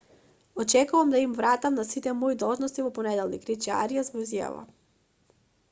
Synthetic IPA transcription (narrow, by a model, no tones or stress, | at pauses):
ɔt͡ʃɛkuvamd̪aimvɾat̪amnasit̪ɛmɔid̪ɔlˠʒnɔst̪ivɔpɔnɛd̪ɛlˠnikɾit͡ʃia̰ɾijazvɔizja̰va̰